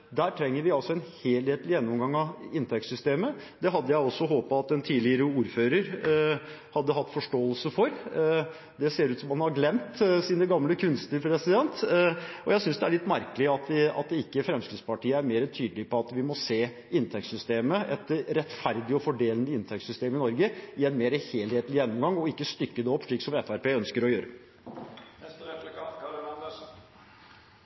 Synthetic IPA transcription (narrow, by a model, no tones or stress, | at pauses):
d̪æːʈʰɾɛŋːəɾʋɪɑlsɔɛnheːlheːt̪lɪjɛnːɔmɡɑŋːɑɪnt̪ʰɛk̚t̪sʏst̪eːməd̪ɛɦɑd̪ːəjæɪɔsːɔɦoːpɑɑt̪ɛnt̪ʰiːlɪəɾəuːɾføːɾəɾ | hɑd̪ːəɦɑt̪ːfɔʂʈoːəlsəfɔɾ | d̪ɛseːɾʉːt̪sɔmhɑnhɑɾɡlɛmt̪siːnəɡɑmləkʰʉnst̪əpʰɾɛsɪd̪ɛnt̪ɔjæɪsʏnsd̪ɛæɭɪt̪ːmæɾkəlɪɑt̪̚d̪ɛɑ̰t̪̚d̪ɛɪkːəfɾɛmskɾɪd̪spɑʈiːəæɾmeːɾət̪ʰyːd̪əlɪpɔɑt̪ʋɪmɔseː | ɪnt̪ʰɛk̚sʏst̪eːməɛt̪ɾɛt̪fæɾd̪ɪɔfɔɖeːlənd̪əɪnt̪ʰɛk̚t̪sʏst̪eːmɪnɔɾɡəɪɛnmeːɾəheːlheːt̪lɪjɛnːɔmɡɑŋːɔɪkːəst̪ʏkːəd̪ɛɔpːʂɭiːksɔmɛfæɾpeːœnskəɾɔjøːɾə̰